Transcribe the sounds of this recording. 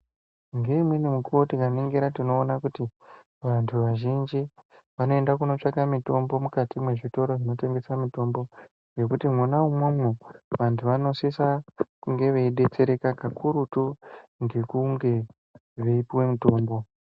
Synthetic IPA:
ŋɡeimwenemukuwotikaniŋɡeɾatino̞ːnakuti | ʋantʰuʋaʒind͡ʒi | ʋano̞e̞ndakuno̞t͡ʂakamito̞mbo̞mukatimwe̞ʐito̞ɾoʐino̞te̞ŋɡe̞samito̞mbo̞ | je̞kutimwonaumun̤uʋantʰuʋano̞sisakuŋɡe̞ʋeiɗe̞t͡se̞ɾe̞kakakʰuɾutuŋɡe̞kuŋɡe̞ | ʋeipiwe̞mito̞ːmbo̞

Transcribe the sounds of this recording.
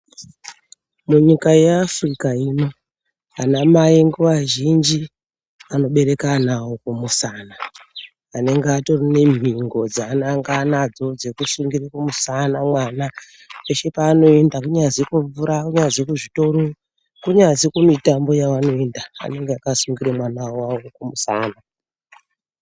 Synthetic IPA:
muɲikaje̞afrikaino̞ | anamaiŋɡuʋaʒind͡ʒi | ano̞ɓe̞ɾe̞kanawokumusaːnaː | ne̞ŋɡeatorine̞m̤ʱiŋɡo̞d͡zaːnaŋɡanad͡zo̞d͡zekusuŋɡirakumusanamwana | eʃe̞paːno̞e̞ndakuɲad͡zikuɱvuɾakuɲazikuʐito̞ɾo | kuɲazikumitambo̞jawano̞e̞nda̰ːne̞ŋɡeakasuŋɡiɾemwanawawokumusaːna

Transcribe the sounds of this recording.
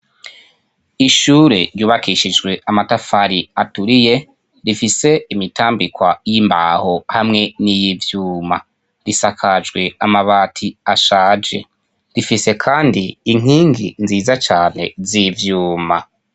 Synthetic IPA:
iʃuːɾe̞̰ɾjuːβakiʃid͡ʒɡwe̞amatafaɾiatuɾije̞ | ɾifise̞imitʰaːmbikwajimbaho̞hamŋe̞nijivjuːma | ɾisakʰad͡ʒɡwe̞amaβaːtʰiaʃaːd͡ʒe̞̰ | ɾifise̞kʰaːndiːŋ̥iːŋɡinziːzat͡ʃaːne̞zivjuːma

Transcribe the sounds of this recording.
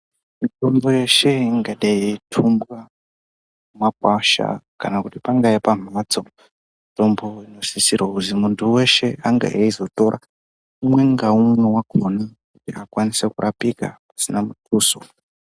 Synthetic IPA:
mito̞mbo̞je̞ʃe̞iŋɡaɗaitʰumbwa | umakwaʃa̰kanakutipaŋɡaipam̤at͡so̞ | mito̞mbo̞ino̞sisirwakuzimuntʰuwe̞ʃe̞aŋɡa̰ʔaizo̞to̞ɾʔa̰ | umwe̞ŋɡaumwe̞waɡʱonekutiakwanisekurʔapika̰pḁsinamutʰuːso̰

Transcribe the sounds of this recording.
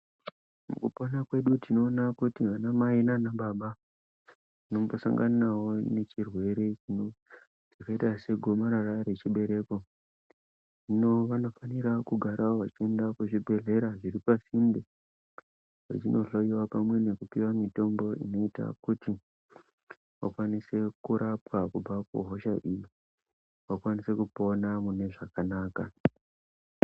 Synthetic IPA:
mṵkuponakwe̞ɗutino̞ːnakutiʋanamainanaɓaɓa | nomposa̰ŋɡanawo̞ne̞t͡ʃirwe̞ɾe̞t͡ʃino | ikaitase̞ɡʱo̞maɾaraɾe̞t͡ʃiɓe̞ɾe̞ko̞ | ʐino̞ʋano̞faniɾakuɡʱaɾʔawoʋat͡ʃie̞ndakeʐibʱe̞ɮe̞ɾaʐiɾipasimbe | wḛt͡ʃino̞ɬoiwapamwe̞ne̞kupiwamito̞mbo̞ḭno̞ita̰kuti | ʋa̰kwanise̞kuɾapwakub͡vakṵɦo̞ʃaʔiji | ʋakwanise̞kupo̞namune̞ʐakanaːka̰

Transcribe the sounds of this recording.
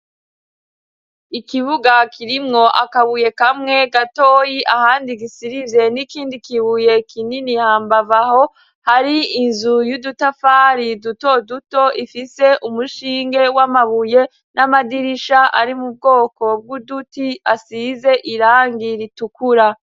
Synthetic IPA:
ikiβuɡakʰiɾimŋo̞ʔakaβuje̞kamŋe̞ɡatoːjiʔahaːndiɡisiɾivje̞nikiːndikiβuje̞kʰininihaːmbavaho̞ | haɾiːnzujudutafaːɾiduto̞duto̞ʔifise̞ʔumuʃiːŋɡe̞wamaβuje̞ | nʔamadiɾiʃaʔaɾimub̚ɡo̞ːko̞b̚ɡudutiasize̞ʔiɾaːŋɡiɾitukuɾa

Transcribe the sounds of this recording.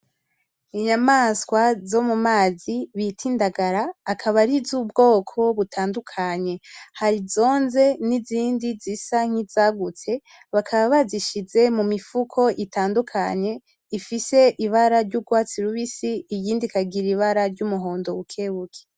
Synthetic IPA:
iɲamaskwazo̞mumaːziβitʰiːndaɡaɾaːkʰaβaɾizuːbɡo̞ːkʰo̞βutʰaːndukʰaɲe̞haɾizo̞ːnze̞niziːndizisaŋ̥iz̥aːɡut͡se̞ | βakʰaβaβaziʃize̞mumifukʰo̞ʔitaːndukʰaɲe̞ | ifise̞ʔiβaɾaɾɟuɡwaːt͡siɾuβisiːɟiːndikaɡiɾiβaɾaɾɟumuɦo̞ːndo̞ukʰeβukʰe̥

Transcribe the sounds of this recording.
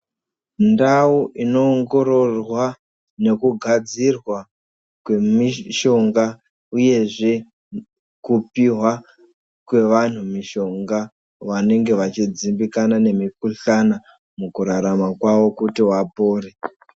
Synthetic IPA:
ndauʔino̞ːŋɡo̞ɾo̞rwa | ne̞kuɡʱad͡zirwa | kwe̞miʃo̞ŋɡa | uje̞ʐe̞ | kupiɦwa | kwe̞ʋan̤umiʃo̞ŋɡa | ʋane̞ŋɡe̞ʋat͡ʃid͡zimbikanane̞mikuɬana | mukuɾaɾamakwaʋo̞kutiwapoːre

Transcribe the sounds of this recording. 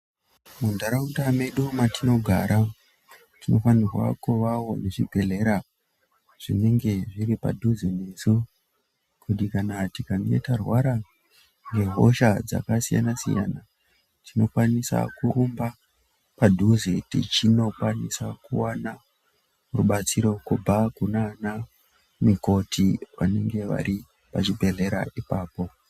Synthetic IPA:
mundaɾautameɗumatʰino̞ɡʱa̰ɾʔa | tino̞fanirwa̰kuʋawo̞neʐiɡʱe̞le̞ɾa | ʐ̥ḭne̞ŋɡe̞ʐiɾipa̰dʱuzene̞zu | kutikanatikaŋɡḛtarwaɾa | ŋɡe̞ɦo̰ʃad͡za̰kasija̰nasḭja̰na | tino̞kwanisa̰kuɾumba | padʱuzetḭt͡ʃino̞kwanisakuwana | ruɓat͡siɾo̞kub͡vʱakunana | miko̞tʰiʋa̰ne̞ŋɡe̞ʋa̰ɾi | pat͡ʃibʱe̞ɮe̞ɾa̰ʔipaːpo̞

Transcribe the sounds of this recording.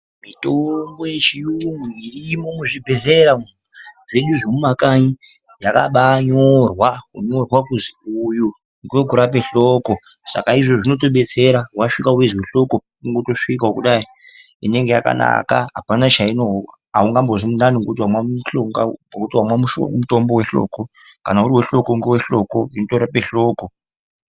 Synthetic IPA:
mitoŋɡo̞jet͡ʃijuŋɡuirimo̞muʐibʱe̞ze̞ɾamuuʐe̞ɗuʐemumakaɲi | jaka̰ɓaɲorwakuɲo̞rwakuziuju | ŋɡwokuɾape̞ɬoko̞ | sa̰kaiʐoʐino̞t̬o̞ɓe̞t͡se̞ɾaɦwaʂikauwezweɬo̞ko | uŋɡoto̞ʂikaɦokuɗai | ine̞ŋɡe̞jaka̰na̰kaɦa̰panat͡ʃaino | auŋɡambozimunaniŋɡot̬iwamwaɬoŋɡa̰akutiwamwamuʃo̰muto̞mbowe̞ɬo̰ːko | kanauɾiweɬo̞koŋɡewe̞ɬo̞koinotoɾapeɬo̞ːko

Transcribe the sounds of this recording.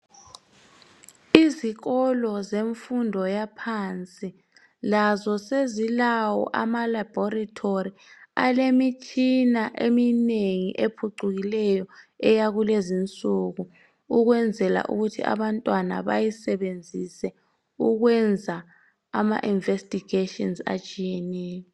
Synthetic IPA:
iziɣɔlɔzeɱfundʱɔjapʰant͡sʼi | lazɔsezilawɔ̰ʔa̰malab̥ɔratʰoria̰lemit͡ʃʼinaʔemineŋḭʔepʰuǀuɣilɛjɔɛjaɣulezint͡sʼuɣu | uɣwɛnd͡zʱɛla̰ʔṵɣutʰiʔa̰βantʼwana̰βa̰jisɛβend͡zʱisɛ | uɣwɛnd͡zʱaː | ma̰ʔiɱvestʼiɡetʼɔnza̰t͡ʃʼijɛnɛːjɔ

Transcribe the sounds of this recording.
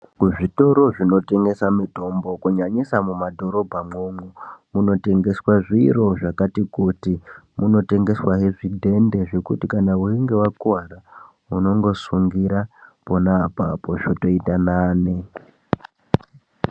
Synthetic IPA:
kuʐito̞ɾo̞ʐino̞te̞ŋɡe̞samito̞mbo̞kuɲaɲisamumadʱo̞ɾo̞bʱamŋoːŋumuno̞te̞ŋɡe̞swaʐiro̞ʐakatikutimuno̞te̞ŋɡe̞swaɦeʐidʱe̞nde̞ʐe̞kutikanauiŋɡe̞wakuara | uno̞ŋɡo̞suŋɡiɾapo̞naːpa̰poʐoto̞itanaːne

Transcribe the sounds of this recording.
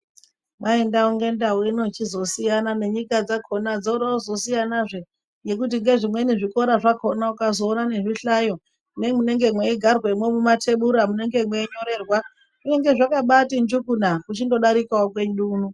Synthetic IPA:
mae̞ndauŋɡe̞ndawuino̞t͡ʃizo̞sijanane̞ɲikad͡zakʰo̞nad͡zoɾozo̞sijanaʐe̞ | je̞k̬ut̬iŋɡe̞ʐimwe̞niʐiko̞ɾaʐako̞naukazo̞ːnane̞ʐiɬajo̞ | ne̞mune̞ŋɡe̞mwe̞iɡʱarwe̞mwe̞mumatʰe̞ɓuɾamune̞ŋɡe̞mwe̞iɲo̞ɾe̞ːrwa | kune̞ŋɡe̞ʐakaɓatind͡ʒukunakut͡ʃindo̞ɗaɾikaok̬we̞nɗuːnu

